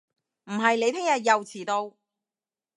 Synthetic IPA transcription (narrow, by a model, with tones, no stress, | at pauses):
m̩˨˩ɦɐ˨jle˨˧p̪ʰɪ˥ŋjɐ˨t̚jɐ˨wt͡sʰiː˨˩t̪o˧w